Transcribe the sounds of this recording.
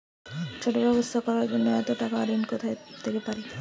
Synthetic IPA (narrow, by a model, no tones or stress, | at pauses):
t͡ʃʰoʈobɛbost̪ʰakɔɾaɾd͡ʑonːoɛt̪oʈakaaɾinkot̪ʰajd̪̥ekepaɾe